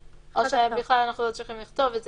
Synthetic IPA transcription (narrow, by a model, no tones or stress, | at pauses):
ʔoʃebiχlalanaχnulo̞t͡sʁiχimliχt̪o̞vetz